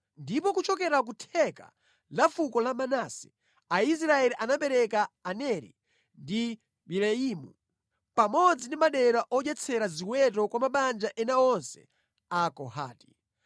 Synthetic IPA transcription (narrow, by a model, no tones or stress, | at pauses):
ndipɔkut͡ʃɔkɛɾak̬utʰɛka̰ | lafukɔlamanasi̥ | ais̬ɾaɛliʔanapɛɾɛkaːnɛɾḭ | ndi | ɓilɛiːmu | pamɔd͡zindimaɗɛɾaʔɔd͡ʒɛt͡sʰɛɾaziwɛt̬ɔkwamaɓand͡ʒaʔɛnaɔnsɛ̥̰ | akɔɦa̰ːti̥